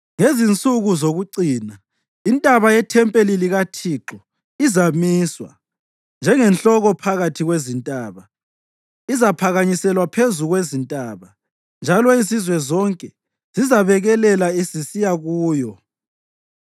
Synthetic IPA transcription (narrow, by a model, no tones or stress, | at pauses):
ŋezint͡sʼuɣuzoɣuǀiːna | intʼaβajɛtʰɛmpʼeliliɣatʰiǁɔ | izamiːswa̰ | nd͡ʒʱɛŋɛnɬɔɣɔpʰaɣatʰiɣwezintʼaːβa | izapʰaɣaɲisɛlwapʰezuɣwezintʼaːβa | nd͡ʒʱalɔisizwɛzɔŋkʼɛ | z̥izaβɛɣɛlɛlaisisijaɣuːjɔ